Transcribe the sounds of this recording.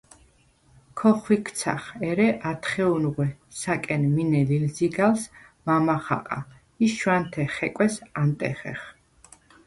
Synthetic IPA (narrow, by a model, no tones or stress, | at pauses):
kʰɔχwikʰt̪sʰa̰χɛɾɛʔat̪ʰχɛunʁwɛ | sakʼɛnminɛlilziɡals | mamaχa̰qʼa | iʃwant̪ʰɛχɛkʼwɛsant̪ʼɛ̰χɛ̰χ